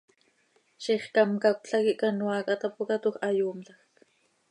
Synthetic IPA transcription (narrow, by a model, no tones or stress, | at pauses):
ʃiχkɑmkakʷɬakiʔkanwɑkat̪apukat̪uxɑjuːmɬɑxk